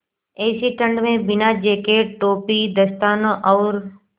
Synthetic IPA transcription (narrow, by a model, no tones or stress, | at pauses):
eːsiʈə̃ɳɖmẽbɪnad͡ʒeːkeʈoːpid̪əst̪aːnõʔɔːɾ